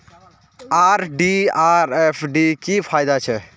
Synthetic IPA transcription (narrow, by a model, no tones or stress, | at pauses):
aɾɖiaɾepʰɖikipʰajd̪at͡ʃʰɛ